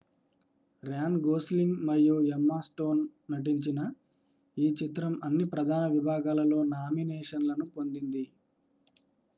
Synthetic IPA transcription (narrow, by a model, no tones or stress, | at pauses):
ɾaːnɡoːsliŋɡmɐjjuɛmːaːsʈo̞ːnːɐʈ̬iɲt͡ʃinɐ | iːt͡ʃit̪ɾɐmɐnːipɾɐd̪ʱaːnɐʋibʱaːɡaːlɐlo̞ːnaːminɛːʂɐnlɐnupond̪ind̪i